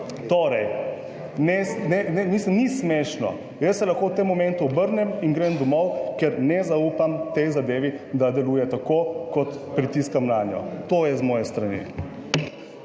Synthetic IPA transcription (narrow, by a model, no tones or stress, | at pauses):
t̪oːɾɛj | nɛsnɛnɛniːsəmnismeʃnɔ̰ | jəsːɛlɐxkowt̪emːɔmɛ̃nt̪uɔbəɾnɛminɡɾɛmd̪ɔmɔwkɛɾnɛzaupamt̪ɛjzad̪eːʋid̪ad̪ɛluːjɛt̪akokɔt̪pɾit̪iskamnaːnjɔ̰t̪oːjɛzmɔːjɛst̪ɾanḭ